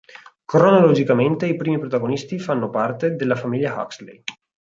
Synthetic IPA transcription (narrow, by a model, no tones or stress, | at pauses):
kɾonolod͡ʒikament̪eipɾiːmipɾot̪aɡonist̪ifanːopart̪ed̪elːafamiljaha̰kslḛj